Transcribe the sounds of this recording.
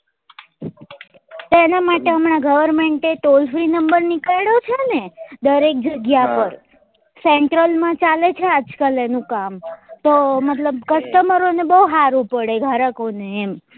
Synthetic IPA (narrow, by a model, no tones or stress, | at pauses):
t̪enamaʈeəmɳaɡəʋəɾmeɳʈeʈ̪olfɾinəmbəɾnikaɽot͡ʃʰeəned̪əɾek̚d͡ʒəɡjapəɾ | seɳʈɾəlmãt͡ʃalet͡ʃʰead͡ʒkəlenũkamt̪omət̪ləb̚kəst̪əməɾonebəɦuɦaɾũpəɽeɡʱaɾəkoneːm